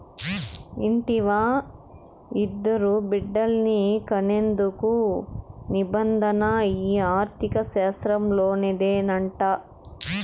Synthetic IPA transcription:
iɳʈiʋaː | id̪ːɐɾubiɖːɐlnikɐnend̪uku | nibɐnd̪ʱɐnɐiːaːɾt̪ʰikɐʃɛːsɾɐmlo̞ːned̪eːnɐɳʈa

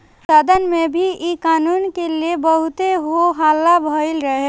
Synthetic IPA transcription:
saːd̪ʱənmẽbʱiikaːnuːnkeliebəɦʊt̪eɦoɦaːlːabʱəɪlɾəɦe

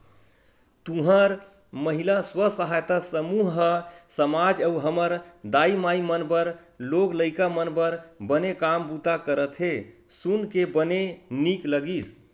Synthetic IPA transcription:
t̪ũɦəɾ | məɦilaswəsəɦajt̪asəmuɦɦəsəmad͡ʒəuɦəməɾd̪aimaimənbəɾ | loɡləɪkamənbəɾbənekambut̪akəɾət̪ʰɦe | sunkebənenikləɡis

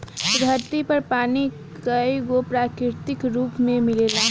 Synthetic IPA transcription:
d̪ʱəɾt̪ipəɾpani | kəjɡopɾakɾɪɾt̪ikɾuːpmemilela

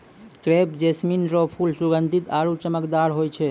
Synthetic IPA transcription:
kɾepd͡ʒesminɾɔpʰulsuɡənd̪ʱit̪aɾut͡ʃəməkd̪aɾɦojt͡ʃʰɛ

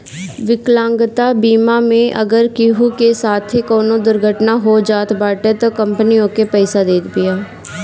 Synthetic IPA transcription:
ʋɪklãːŋɡt̪abiːmamẽʔɐɡəɾkiɦukesaːt̪ʰɦikɔːnõd̪ʊɾɡʱəʈnaɦod͡ʒaːt̪baːʈet̪okə̃mpənijõkepɛːɪsad̪eːt̪ʰbɪjaː

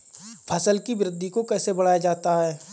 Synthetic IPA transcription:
pʰɐsəlkibɾɪd̪ʱːikokɛːsebɐɽ̤aːjad͡ʒaːt̪aɦɛː

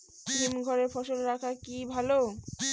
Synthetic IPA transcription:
kɾimɡʱɔɾeɾfɔʃolɾakʰakibʱalo

